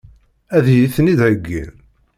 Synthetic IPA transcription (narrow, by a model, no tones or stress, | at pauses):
æðjiθnid̪ʕəɡːḭl